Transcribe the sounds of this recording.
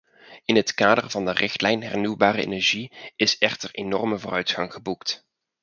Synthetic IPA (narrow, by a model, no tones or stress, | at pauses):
ɪnɦətkaːdərvɑndərʔɪxtlɛjnɦɛɹnywbaːrəḛːnɛɹʒiɪsɛχtəɹenɔ̰rməvoːrœɥtχɑŋχəbukt